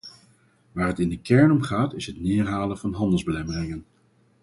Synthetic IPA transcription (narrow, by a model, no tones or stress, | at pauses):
ʋaːɹɦətɪndəkɛɹnɔmχaːtɪsɦətnɪːɹɦaːləvɑnɦɑndəlˠzbəlɛmərɪŋən